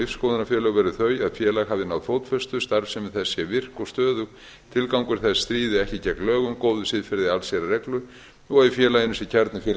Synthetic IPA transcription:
ifskowðʏnafjɛːɾlœɣʏvɛɾʏθœɥaðfjɛːlaɣhavðɪnawðθowt̪fœst̪ʏst̪aɾfsɛmvɪðθɛsːjɛvɪr̥kɔɣst̪œːðʏɣ | t̪ʰɪlkawŋkʏɾ̥θɛsːt̪ɾiːðɪɛhcɪcɛklœːɣʏmkoːwðʏsɪðfɪɾðɪalsjɛɾarɛklʏ | ɔɣɛfjɛːlajɪnʏsɛcʰaɾt̪nɪfjɛl

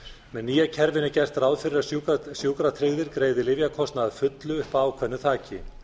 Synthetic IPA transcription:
mɛnːiːjacʰɛɾvɪnɪcɛst̪raːwðfɪɾːausjuːkɾat̪ʰɾɪɣðɪɾkɾeːjðɪlɪvjakʰɔst̪naðfʏt̪lʏʏhpawkʰvɛnːʏθʰaːcɪ̰

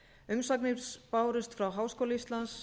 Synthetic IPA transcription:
ʏmsaknɪɾspaːwɾʏst̪fɾawɦaːwskoːwlaist̪lans

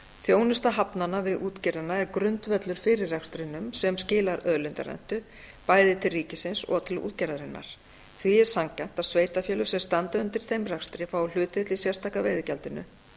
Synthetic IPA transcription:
θjoːwnʏst̪aɦapnanːavɪðʔuːt̪cɛɾðɪnaɛɾkɾʏnt̪vɛt̪lʏɾ̥fɪːɾɪrːakst̪ɾɪnːʏmsɛmscɪːlaɾœðlʏnt̪a̰ɾɛ̰n̥t̪ʏ | paːjðɪt̪ʰɪlriːcɪsɪnsɔ̰ɣt̪ʰɪlṵːt̪cɛɾaðɾɪnːa̰ɾ̥ | θviɛɾ̥saŋkan̥t̪aðsveːjt̪afjɛːlʏ̥sɛmst̪ant̪aʏnt̪ɪɾ̥θejmrakst̪ɾɪfawl̥ʏːt̪ɪt̪lɪsjɛr̥t̪ʰaːkaveːjðʏcɛlt̪ɪnːʏ̰

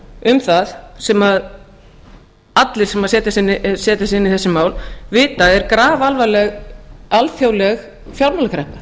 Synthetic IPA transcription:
ʏmθaðsɛmað | at̪lɪɾ̥sɛmaðsɛːt̪asɪnːsɛːt̪asɪnːiθɛsːɪmaːwlvɪːt̪aɛɾkɾaːvalvalɛɣalfjawlɛɣ | fjawɾmawlkʰɾɛhpḁ

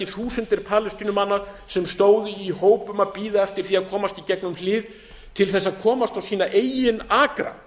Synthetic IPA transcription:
ɪθuːsʏnt̪ɪɾ̥pʰaːlɪst̪iːnʏmanːaɾ | sɛmst̪oːwðʏiɦoːwpʏmaðpiːðaɛft̪ɪɾ̥θiaðkʰɔːmast̪icɛknʏmlɪːð | t̪ʰɪlθɛsːaðkʰɔːmast̪awsiːnaʔeːjɪnaːkɾa̰

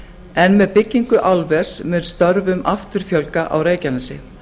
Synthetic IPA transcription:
ɛnmɛðpɪcːiŋkʏʔawlvɛr̥smʏnst̪œɾvʏmʔaft̪ʏɾ̥fjœlkaʔa̰wɾeːjcanasɪ̰

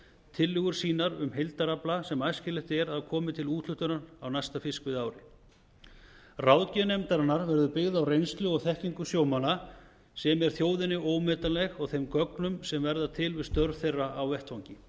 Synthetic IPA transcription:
t̪ʰɪlːʏɣʏɾ̥siːnaɾʏmɦejlt̪aɾaplasɛmajscɪlɪht̪ɛɾaðkʰɔːmɪt̪ʰɪluːt̪ʰlʏht̪ʏnanawnajst̪afɪskvɪðaːwɾɪ | rawðcɛnɛmt̪aɾanːaɾvɛɾðʏpɪɣðawrejnst̪lʏɔɣθɛhciŋkʏsjoːwmana | sɛmɛɾ̥θjoːwðɪnɪoːwmɛːt̪alɛxɔɣθejmkœknʏmsɛmvɛɾðat̪ʰɪlvɪ̥st̪œɾθejrːaawvɛht̪fawɲcɪ

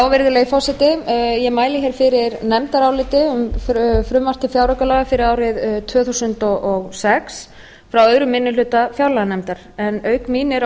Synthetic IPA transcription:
awvɪɾðʏlɛɣifɔsɛt̪ɪjɛmaːjlɪçɛɾ̥fɪɾɪɾnɛmt̪aɾawlɪːt̪ɪʏmffɾʏmvar̥t̪ɪfjawɾakœlaːɣafɪɾɪðaːwrɪðt̪ʰvœːθusʏnt̪ɔɔɣsɛks | fɾawœðɾʏmɪnːʏlʏːt̪afjawɾlaɣanɛmt̪aɾ̥ | ɛnœːɥkmiːnɪɾ

